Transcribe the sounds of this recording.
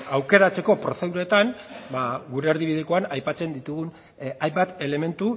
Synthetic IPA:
awke̞ɾat͡se̞ko̞pɾo̞se̞ðuɾet̪anbaɣuɾe̞ːɾðiβ̞iðiko̞anajpat͡se̞nd̪it̪uɣun | ajmbat̪e̞le̞me̞nt̪u

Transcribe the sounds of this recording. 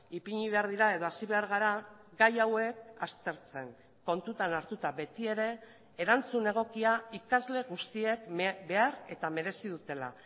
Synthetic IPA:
ipiɲiβ̞e̞aɾðiɾae̞ðo̞asiβe̞aɾɣ̞aɾaɡajawe̞k̚ast̪e̞ɾt͡se̞ŋ | ko̞nt̪ut̪anaɾt̪ut̪abe̞t̪ie̞ɾe̞ː | ɾant͡sune̞ɣ̞o̞kiaikazle̞ɣust̪ie̞kbe̞aɾe̞t̪ame̞ɾe̞siðut̪e̞la̰

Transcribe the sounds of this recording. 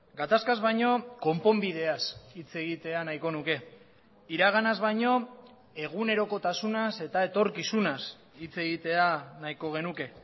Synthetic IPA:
ɡat̪askazβajɲo̞ko̞mpo̞mbið̞e̞asit͡se̞ɣ̞it̪e̞anajko̞nuke̞ | iɾaɣ̞anazβajɲo̞ | e̞ɣ̞une̞ɾo̞ko̞t̪asunase̞t̪ae̞t̪o̞ɾkisunas | it͡se̞ɣ̞it̪e̞anajko̞ɣ̞e̞nuke̞

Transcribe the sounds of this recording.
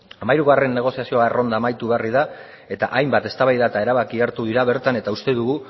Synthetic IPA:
amajɾuɣare̞nːe̞ɣ̞o̞siasio̞aero̞nd̪aːmajt̪uβe̞ariða | e̞t̪a̰ʔajmbat̪e̞st̪aβajðaet̪ae̞ɾaβakiaɾt̪uð̞iɾaβe̞ɾt̪ane̞t̪aust̪e̞ðuɣu

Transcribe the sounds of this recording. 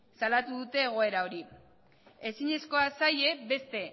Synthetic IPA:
salat̪uðut̪e̞ːɣ̞o̞e̞ɾao̞ɾi | e̞siɲe̞sko̞asaje̞be̞st̪e̞

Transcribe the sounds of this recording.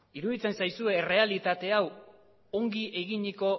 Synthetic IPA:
iɾuðit͡se̞nsajsue̞re̞alit̪at̪e̞aw | o̞ŋɡiʔe̞ɣiɲiko̞

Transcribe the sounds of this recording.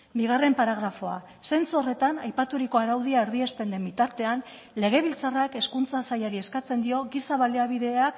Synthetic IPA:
biɣ̞are̞mpaɾaɣɾafo̞a̰ | se̞nt͡suo̞re̞t̪anajpat̪uɾiko̞aɾawð̞iaeɾðie̞sp̪e̞nd̪e̞mbit̪aɾt̪e̞an | le̞ɣ̞e̞β̞ilt͡sarake̞skunt͡sasajaɾie̞skat͡se̞nd̪io̞ɣisaβaleaβ̞iðe̞ak

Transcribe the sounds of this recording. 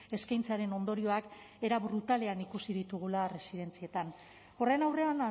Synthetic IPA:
e̞skajnt͡saɾe̞no̞nd̪o̞ɾio̞ak | e̞ɾaβɾut̪ale̞anikusið̞it̪uɣ̞ulare̞sið̞e̞nt͡sie̞t̪an | o̞re̞nawre̞ana

